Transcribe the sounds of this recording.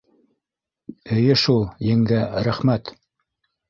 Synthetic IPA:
ɵ̆jɘʃulˠjɘ̆ŋɡæɾæχmæt̪

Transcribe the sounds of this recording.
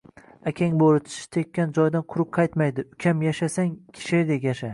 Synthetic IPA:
akʲʰaŋbolˠɪt̪ʰɪ̥ʃɪ̥t̪ʰekʲːand͡ʒɒjd̪anqʰʊɾʊp̚qʰɑjt̪majd̪ɪʊkʲʰamjaʃasaŋkʲʰɪ̥ʃɪd̪ekʲaʃa

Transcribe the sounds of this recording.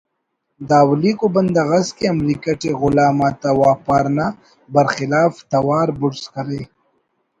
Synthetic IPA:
d̪aːwliːkobɐnd̪ɐɣɐskeɐmɾiːkɐʈeɣʊlaːmat̪awaːpaːɾna | bɐɾxɪlaːft̪ɐwaːɾbʊɽskɐɾe

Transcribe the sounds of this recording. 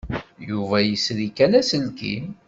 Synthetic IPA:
juvæjəsɾikælæsəlkḭ

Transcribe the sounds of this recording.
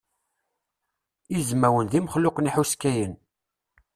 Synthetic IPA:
izmæwənðiməχlʊqniħuskːæjən

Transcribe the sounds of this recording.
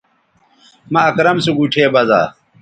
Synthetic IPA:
mɐɐkɾɐmsuɡuʈʰeːbɐza̰ː

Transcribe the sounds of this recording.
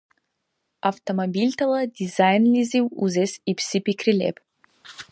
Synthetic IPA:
aft̪omobilʲt̪ʰalˠɐd̪izajnlʲiziwuzɛsipsipikʰɾilʲɛ̰p

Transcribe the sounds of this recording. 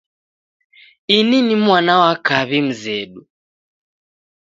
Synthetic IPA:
ininimwanawakaβim̩zɛɗu

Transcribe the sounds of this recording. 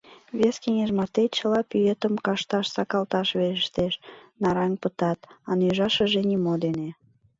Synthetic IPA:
βeskeŋeʒmɑrt̪et̪̚t͡ɕəlɑpyjet̪əmkɑʃt̪ɑʃsɑkɑlt̪ɑʃβeɾəʃt̪eʃnɑɾɑŋpət̪ɑt̪ɑnyʒɑʃəʒenimod̪ene

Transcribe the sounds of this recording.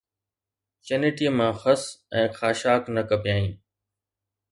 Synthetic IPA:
t͡ɕənɪʈiəmãːxəsɛ̃ːxʰaːʃaːknəkəpjaːĩː

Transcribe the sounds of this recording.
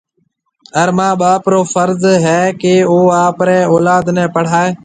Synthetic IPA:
əɾmãːɓaːpɾoːfəɾzɦɛːkeːoːaːpɾɛ̃ːoːlaːd̪nɛ̃ːpəɽ̤aːeː

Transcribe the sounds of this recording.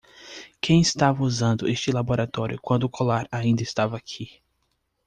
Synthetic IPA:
kʰẽj̃ɪst̪avɐuzɐ̃nd̪ʊʔest͡ʃɪlaboɾat̪ɔɾjʊkwɐ̃nd̪ʊːkʰolaɾaĩnd̪ɐɪst̪avɐakʰi

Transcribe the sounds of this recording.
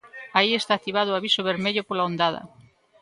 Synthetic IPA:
aiest̪aːt̪iβ̞að̞ʊaβisoβeɾmeʎopolaond̪að̞ɐ̰

